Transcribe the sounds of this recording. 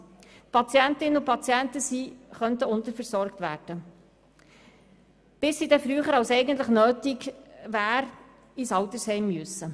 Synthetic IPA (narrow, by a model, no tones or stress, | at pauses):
pʰɑt͡siɛntɪnəupʰɑt͡sjæntəsiːχœnt̪əʊnt̪əɾfəɾsɔɾkt̪ʋæ̰ːɾd̥ə | b̥ɪsːidɛfɾyːχəɾɑwsɛɪɡən̩t̪ləχnøːtɪɡvæːɾ | isɑwt̪əɾshɛɪmːyɵsə